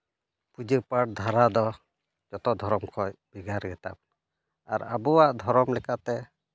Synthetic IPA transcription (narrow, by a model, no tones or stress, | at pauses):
pud͡ʒəpaʈ̚d̪ʱaɾad̪ɔ | d͡ʒɔt̪ɔd̪ʱɔɾɔmkʰɔjb̥iɡaɾɡɛt̪a̰p̚ | aɾa̰bɔwaʔd̪ʱɔɾɔmlɛkat̪ɛ